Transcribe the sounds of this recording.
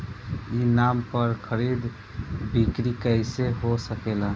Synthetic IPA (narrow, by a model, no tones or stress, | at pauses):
inampəɾkʰəɾid̪ | bikɾikəɪseɦosəkelə̃